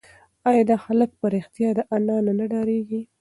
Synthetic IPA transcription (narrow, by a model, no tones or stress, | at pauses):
ɑjɑd̪ɑxalək̚pəɾɪxt̪jɑd̪əʔanɑnonaɖɑɾeɡi